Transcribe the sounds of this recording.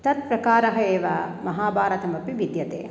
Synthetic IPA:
t̪ɐt̪̚pɾɐkaːɾɐɦɐeːʋamɐɦaːbʱaːɾɐt̪ɐmɐpiʋid̪jɐt̪ḛː

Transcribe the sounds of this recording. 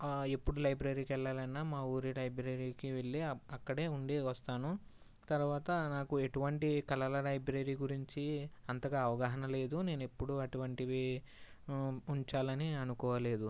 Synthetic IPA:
e̞pːuɽulɐjbɾeɾiːkɛlːaːlɐnnːaːmaːuːɾilɐjbɾeɾiːkiʋeɭːiɐkːɐɽe̞ːuɳɖeʋɐst̪aːnu | t̪ɐɾuʋaːt̪ɐnaːkue̞ʈuʋɐɳʈikɐlɐlɐlɐjbɾeːɾiːɡuɾiɲt͡ʃiɐnt̪ɐɡaːʋɐɡaːɦɐnɐle̞ːd̪une̞ːnuepːuɽuɐʈuʋɐɳʈiʋe | uɲt͡ʃaːlɐniɐnukɔːʋɐle̞ːd̪u

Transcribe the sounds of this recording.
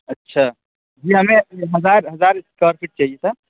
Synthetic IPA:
ətːʃʰa | d͡ʒiɦəmeɦəd͡ʒaɾɦəd͡ʒaɾskəɾsiʈ̚t͡ʃaɦijesəɾ

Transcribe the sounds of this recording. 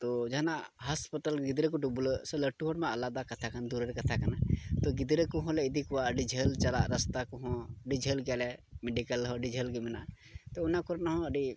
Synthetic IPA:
t̪od͡ʒɐɦnaɦɐspət̪əlɡid̪ɾəkuɖubulsələʈuɦoɽmẽɐlad̪akɐt̪ʰakənd̪uɾəɾkɐt̪ʰakənat̪oɡid̪ɾəkuɦɔ̃leid̪ikuwaɖid͡ʒʱəlt͡ʃɐlaɾəst̪akuɦɔ̃ɖid͡ʒʱəlɡalɛmeɖikəlɦɔɖid͡ʒʱəlɡimina | t̪ounakuɾnɦɔ̃əɖi

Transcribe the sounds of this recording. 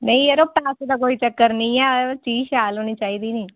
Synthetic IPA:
nɐĩeɾoːp̚ʈaːset̪ak̬oːit͡ʃəkːəɾniat͡ʃiːʃaːlonit͡ʃaːid̪ini

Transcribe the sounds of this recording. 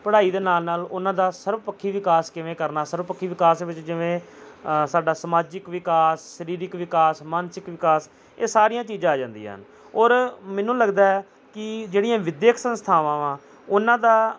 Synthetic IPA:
pəɽaːiːd̪eːnaːlnaːlʊnãːd̪aːsəɾʋpəkʰːiːʋɪkaːskɪʋẽːkəɾnaːsəɾʋpəkʰːiːʋɪkaːsʋɪt͡ʃd͡ʒɪʋẽː | saːɖaːsəmaːd͡ʒɪkʋɪkaːsʃəɾiːɾɪkʋɪkaːsmaːnsɪkʋɪkaːs | eːsaːɾijãːt͡ʃiːd͡ʒãːaːd͡ʒãːnd̪ḭːɦə̰n | ɔːɾmɛ̃ːnũːləɡd̪aːɛ | kɪd͡ʒeːɽijãːʋɪd̪jeːkʰsənst̪ʰaːʋãːʋãː | ʊnãːd̪aː

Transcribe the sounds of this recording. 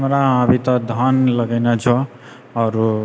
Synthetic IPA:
mɾaʌbʱit̪ʌd̪ʱʌnlʌɡajnʌt͡sʰʌ | ʌɾu

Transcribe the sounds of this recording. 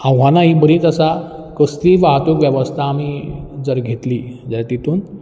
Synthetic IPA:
ãwɦanaɦiːbəɾĩːt͡s̪əsa | kəst̪iːʋaɦt̪okʋjəʋəst̪ʰaːmid͡zəɾɡʱet̪lid͡ʑaɾat̪it̪uːn

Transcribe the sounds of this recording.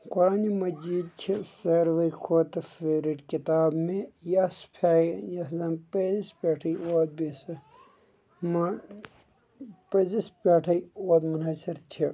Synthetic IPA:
kʊɾaːnimɐd͡ʒiːd̪̚t͡ʃʰisɐɾʋɐikʰoːt̪ɐfeːɾiʈkit̪aːbmẽjɐspʰaːjɐzɐmped͡ʒispeːʈʰɐjoːt̪̚bisɐ | mɐ | pɐzispeːʈʰɐjoːt̪mɐnaːt͡ʃʰɐɾt͡ʃʰi

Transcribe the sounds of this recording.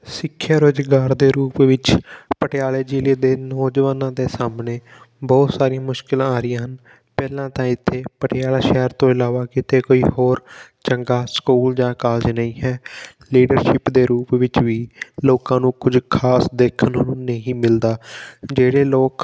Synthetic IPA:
sɪkʰːjaːɾoːd͡ʒɡaːɾd̪eːɾuːpʋɪt͡ʃpəʈɪaːleːd͡ʒiːleːd̪eːnɔːd͡ʒəʋaːnãːd̪eːsaːmneː | bɔːt̪saːɾijãːmʊʃkɪlãːɾɪjãːɦən | pɛːlãːt̪ãːɪt̪ʰːeːpəʈɪjaːlaːʃɛːɾt̪õːɪlaːʋaːkɪt̪ʰeːkoːiːhoːɾt͡ʃəŋɡaːskuːld͡ʒãːkaːld͡ʒnəĩːɦɛː | liːɖəɾʃɪpd̪eːɾuːpʋɪt͡ʃʋiːloːkãːnũːkʊd͡ʒkʰaːsd̪eːkʰənonũːnəɦĩːmɪld̪aːd͡ʒeːɽeːloːk

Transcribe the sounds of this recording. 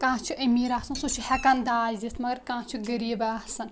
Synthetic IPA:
kãːt͡ʃʰuʔɐmiːɾaːsɐnsot͡ʃʰuhɛkand̪aːzd̪ist̪mɐɡɐɾkãːt͡ʃʰuɡɐɾiːbaːsɐn

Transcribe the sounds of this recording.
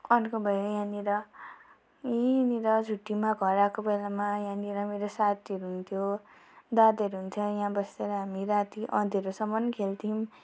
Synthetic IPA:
ʌnkobʱʌjojãniɾʌ | iniɾʌd͡zʱuʈːimaɡʱʌɾakobelamajãniɾʌmeɾosat̪iʌɾuɦunt̪ʰjo | d̪ad̪ʌɾuɦunt̪ʰjojãbʌseɾʌɦamiɾat̪iʔʌ̰d̪ʱʌɾusʌmʌnkʰelt̪ʰim

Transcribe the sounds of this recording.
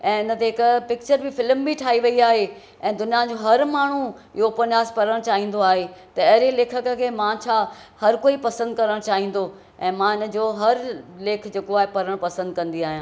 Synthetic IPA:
ɛ̃ːɪnət̪eɦɪkpɪk̚t͡ɕəɾbɪfɪlmbiʈʰaːɦiʋɐiaːɦe | ɛ̃ːd̪ʊnijãd͡ʑoːɦɐɾmaːɳ̤ũ | ɪɦopɐnjaːspɐɾəɽ̃t͡ɕaːɦĩːn̆d̪oaːɦet̪ɐɐɦɾeleːkʰəkə̆kʰeːmãt͡ɕʰaːhɐɾkoːipɐsə̃nd̪̚kɐɾəɽ̃t͡ɕaːɦĩːnd̪o | ɛ̃ːmãɪnə̆d͡ʑoːɦɐɾleːkʰd͡ʑeːkoaːɦepɐɾəɽ̃pɐsə̃nd̪̚kɐ̃nd̪iaːɦijãː

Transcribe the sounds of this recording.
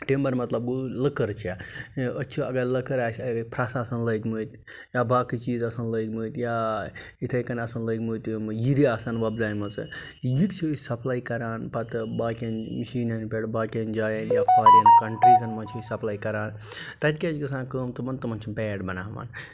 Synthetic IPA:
ʈeːmbɐɾmɐt̪lɐbuləkəɾt͡ʃʰiaətːt͡ʃʰiɐɡɐɾləkɐɾaːsɐpʰɾaːsasɐnləːɡməːt̪ | jaːbaːkit͡ʃiːzɐsɐnləːɡməːt̪jaːit̪ʰɐjkɐnɐsɐnləjɡmuːt̪jiɾiaːsanʋɐbzaːjmɐt͡sɨ̰ | jiʈt͡ʃʰiəsɐpʰlaːikɐɾaːnpɐt̪baːkʲɐnmiʃiːnɐnpeɽbaːkʲɐnd͡ʒaːjɐnjapʰaːɾinkɐɳʈɾiːzɐnmɐnt͡ʃʰiəsɐplaːikɐɾaːn | t̪ɐt̪ikʲat͡ʃikɐsãːkəːmt̪ɨmɐnt̪ɐmɐnt͡ʃʰibɛːɖbɐnaːʋa̰ːn

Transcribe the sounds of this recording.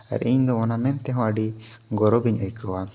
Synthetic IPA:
a̰ɾiɲd̪ɔɔnamɛnt̪ɛɦɔ̃əɖi | ɡɔɾɔbiɲəjkʰɔwa

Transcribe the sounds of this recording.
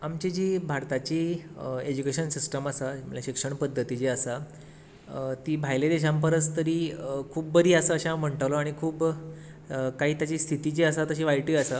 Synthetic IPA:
amt͡ɕid͡ʑiːbʱaɾt̪at͡ɕiːed͡ʑukeɕənsisʈəməsaməljaɕikʂəɳpəd̪ʱːət̪it͡ɕeəsa | t̪iːbʱajled̪eɕ̬ãmpəɾət͡st̪əɾiːkʰuːb̚bəɾiːəsəːɕaam̤əɳʈəʋloaɽ̃ikʰuːb | kaɦiːt̪jat͡ɕiːst̪ʰit̪it͡ɕiəsat̪əɕiːʋajʈiəsa

